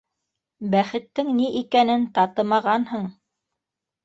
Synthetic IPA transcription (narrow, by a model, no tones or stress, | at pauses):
bæχɘ̆t̪ːɘŋniʔikænɘnt̪ɑt̪ɤmɑʁɑnhɤɴ